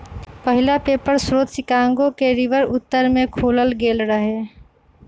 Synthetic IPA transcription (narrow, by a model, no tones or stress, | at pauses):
pəɦɪlapeːpəɾsɾoːt̪sɪkaːŋɡokeɾɪʋəɾʊt̪ːəɾmẽkʰoːləlɡeːlɾəɦeː